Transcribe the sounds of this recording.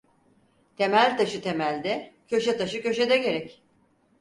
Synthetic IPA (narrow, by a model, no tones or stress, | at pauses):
t̪ʰe̞mælʲt̪ʰaʃɯt̪ʰe̞mælʲd̪ɛcʰø̞ʃɛt̪ʰaʃɯcø̞ʃed̪ɛɟe̞ɾɛc